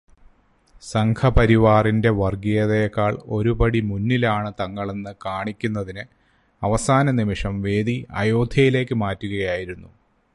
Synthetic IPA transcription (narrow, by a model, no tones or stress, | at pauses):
sɐŋkʰɐpɐɾiʋaːrinde̞ʋɐrɡijɐðejkːaːɭo̞ɾubɐɽimunːilaːɳɨt̪ɐŋːɐɭe̞nːɨkaːɳikʲːunːɐðinɨ | ɐʋɐsaːnɐnimiʂɐmʋe̞ːd̪iɐ̰jo̞ːd̪ʱjɐjile̞ːkːɨmaːtːuɣɐjaːjiɾunːu